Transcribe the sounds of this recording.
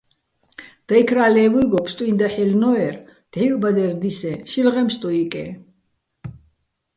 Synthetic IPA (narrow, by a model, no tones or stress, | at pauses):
d̪̥aikʰɾaːlɛːvujɡɔpʰst̪ʼuind̪aħilnɔɛɾd̪̥ʕiɾbad̪ɛɾd̪isɛʃilʁɛmst̪ʼuikʼɛ̰